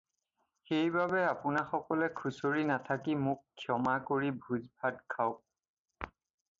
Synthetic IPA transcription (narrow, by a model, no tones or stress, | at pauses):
xejbabɛapʊnaxɔkɔlɛkʰusoɹinatʰakimʊkʰːjɔmakoɹibʱuzbʱadkʰaʊ